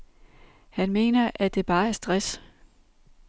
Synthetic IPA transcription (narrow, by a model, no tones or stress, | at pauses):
hænme̝̰ːnɐʔæd̥e̝b̥ɑ̈ːæɐsd̥ʁas